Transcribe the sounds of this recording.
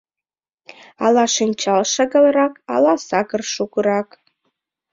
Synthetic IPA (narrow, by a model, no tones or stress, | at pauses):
ɑlˠɑʃɨnʲt͡ɕɑlˠʃəɡə̆lrɑkɑ̰lɑsɑkərʃukɤɾɑk